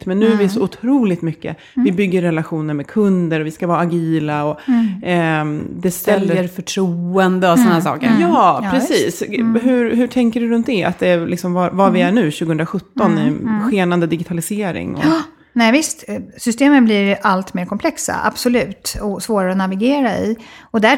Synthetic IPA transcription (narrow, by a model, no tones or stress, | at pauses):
t̪mɛnːʉ̟ːvɪæsɔʊt̪ʰɾuːlɪt̪mʏkːə̰ | vɪbʏɡːəɾːɛlaɧuːnəɾmɛkʰɵnd̪əɾɔvɪskavɑːɾaːɡiːlaɔ | d̪ɛsɛlːəəɾfœʈʰɾuːɛnd̪əɔsɔnahæːsɑ̰ːkə̰ɾjɑːpɾɛsiːsɦʉɾɦʉʈʰɛŋkəɖɵɾɵnt̪̚d̪ɛa̰t̪̚d̪ɛlɪksɔmvavavɪæɳʉ̟ːɕʉ̟ɡəhɵnɾaɧɵt̪ːɔnɪɧeːnand̪əd̪ɪɡɪt̪ʰalɪseːɾɪ̰ŋɔ̰ | nɛvɪst̪sʏst̪eːmənblɪɾalt̪meːɾkʰɔmpʰlɛksa̰ʔa̰b̥sɔlʉ̟ːt̪ɔsvoːɾaɾəɔnavɪɡeːɾaɪ̰ɔd̪æ